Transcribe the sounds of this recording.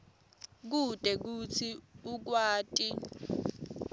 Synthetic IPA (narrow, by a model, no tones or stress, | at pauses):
k̬ud̥ʱʼɛk̬ut͡sʰiuk̬waːtʼi